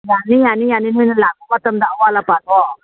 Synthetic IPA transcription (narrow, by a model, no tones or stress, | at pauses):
janijanijaninunəlaɡumat̪əmd̪awalapad̪ɔ